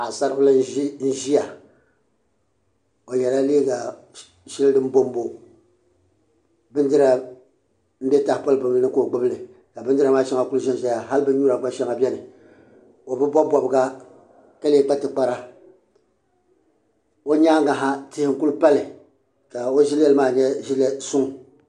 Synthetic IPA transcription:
a˨sa˦ɾɨ˦ʊ˦la˦n̩˦ʒi˦ja˨ | o˨jɛ˨la˦leː˦ɡa˨ | ʃɪ˦lɨ˦dɨ˦m˦bo˦m˦bo˦ | bɨ˦n˦dɨ˦ɾa˨ | m̩˦bʲɛ˦ta˨hpa˦lɨ˦bɨ˨blnɨ˦ko˦˨ɡ͡bʊ˦bɨ˦lɨ˨ | ka˨bɨ˦ndɨ˦ɾa˨maː˦ʃɛ˦ŋa˨ku˦lʒɛ˦nʒɛ˦ja˨ɦa˦lbɨ˦ɲuː˦ɾa˨ɡ͡ba˦ʃɛ˦ŋa˨bʲɛ˦nɨ˨ | o˨bɨ˦bɔ˦bɔ˨bɨ˨ɡa˦ | ka˦le˦˨k͡pa˦tɨ˨k͡pa˨ɾa˦ | o˦ɲaː˦ŋɡa˨ɦa˦tɪ˦hɪ˦ŋ̩˦ku˦lpa˦lɨ˨ | ka˨o˦ʒi˦lɛ˦lɨ˦maː˦˨ɲɛ˦ʒi˦lɛ˦sʊ˦ŋ˨

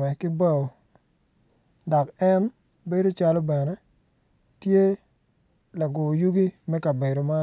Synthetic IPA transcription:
ɛ˨kɪ˦ba˦o˨ | da˨kɛ˦n | be˦do˦t͡ʃa˦lɔ˦bɛ˨nɛ˦ | tje˦ | la˨ɡʊ˨ju˦ɡi˦mɛ˦ka˨be˨ɾo˨ma˦

